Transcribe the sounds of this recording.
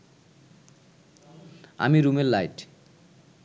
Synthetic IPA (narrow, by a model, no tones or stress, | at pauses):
a̰miɾumellajʈ